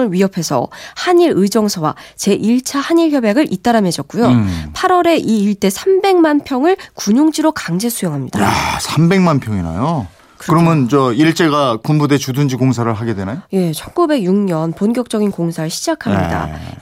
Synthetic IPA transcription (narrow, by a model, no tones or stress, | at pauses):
ɯɭɥiɦʌpʰe̞sʰʌ̰haɲiɾɯd͡ʑʌŋsʰʌwa̰t͡ɕe̞ʔiɭt͡ɕʰahaɲiɭçjʌbjaɡɯɾʔit͈aɾamɦed͡ʑʌt̚k͈ujopʰaɾwʌɾe̞ʔiːɭt͈e̞sʰambe̞ŋmanpʰjʌŋɯɭkuɲoŋd͡ʑiɾokaŋd͡ʑe̞sʰujoŋɦamɲid̥a̰sʰambe̞ŋmanpʰjʌŋina̰jo | kɯɾkɯɾʌmjʌnt͡ɕʌiɭt͡ɕ͈e̞ɡakumbude̞t͡ɕudɯnd͡ʑiɡoŋsʰaɾɯɭɦaɡe̞dwe̞najoje̞t͡ɕʰʌnɡube̞ɡjuŋɲʌnponkjʌk̚t͡ɕ͈ʌɡinkoŋsʰaɾɯɭɕʰid͡ʑakʰamɲḭda̰